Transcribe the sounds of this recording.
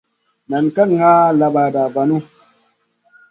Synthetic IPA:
na˨nka˦n˨ŋa˦la˨ɓa˨da˨va˨nu˦

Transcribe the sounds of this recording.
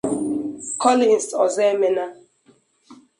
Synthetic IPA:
kɔ˦lĩ˨n˨sɔ˨zɛ˦mɛ˦na˦

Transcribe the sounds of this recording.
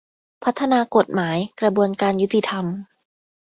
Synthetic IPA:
pʰa˦˥t̪ʰːa˧naː˧ko˨˩t̪̚maː˩˦jkɾa˧bu˧ənkaː˧nju˦˥t̪i˧t̪ʰa˧m

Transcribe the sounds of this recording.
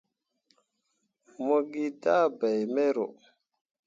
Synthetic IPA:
mo˦ɡi˦da˦ba˨jme˦ɾo˨

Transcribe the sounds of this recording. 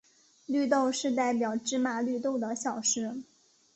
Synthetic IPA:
ly˥˧t̪o˥˧ʊʂɻ̩˥˧t̪a˥˩ɪpjɑ˨˩ʊʈ͡ʂɻ̩˥ma˨˥˩ly˥˧t̪o˥˩ʊd̪ə˩ɕjɑ˨˩ʊʂɻ̩˥

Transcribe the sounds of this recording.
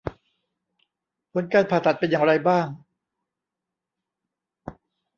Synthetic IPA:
pʰo˨˦nkaː˧npʰaː˨˩t̪ʰːa˨˩t̪̚pe˧njaː˨˩ŋɾa˧jbaː˥˩ŋ

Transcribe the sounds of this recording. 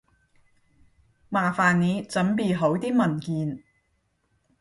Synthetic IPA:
maː˨˩faː˨nne˨˧t͡sɐ˨˥mpiː˨˩ɦo˨˥wt̪iː˥mɐ˨˩nkiː˨n

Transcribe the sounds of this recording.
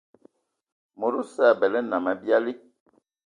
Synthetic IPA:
mo˨ɾu˦sa˦˨bɛ˨lɛ˦na˨ma˨bja˦li˦

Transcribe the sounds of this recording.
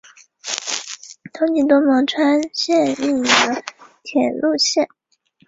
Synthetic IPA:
t̪ʰo˧˥ŋt͡ɕi˧˥t̪̬wo˥mɑ˧˥ŋʈ͡ʂʰwa˥nɕjɛ˥˧nli˥˩d̪ə˧˦t̪ʰjɛ˨˩nlu˥˧ɕjɛ˥˩n

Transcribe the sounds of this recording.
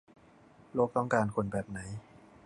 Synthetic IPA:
loː˥˩k̚t̪ɔ˥˩ŋkaː˧nkʰo˧nbɛː˨˩p̚na˩˦˥j

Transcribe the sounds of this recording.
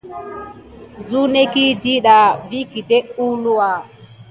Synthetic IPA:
zu˦ne˦ki˦di˦ɗa˨vi˦ki˨dɛ˦ʔu˦lu˦wa˨

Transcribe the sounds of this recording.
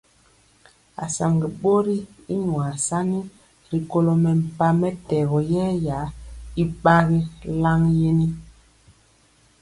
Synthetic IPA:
a̰˨sa˨ŋɡi˨ɓo˦ɾi˦ | i˦ɲwa˨sa˦ni˦ | ɾi˨ko˦lo˨mɛ˨m̩˨pa˦mɛ˦tɛ˨ɣɔ˨jɛː˦ja˨˦i˦ɓa˦ɣi˦la˦ŋje˦ni˦

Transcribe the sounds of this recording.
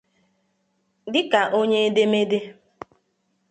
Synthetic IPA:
dɪ˦ka˨ʔo˦ɲe˦e˦de˦me˦de˦

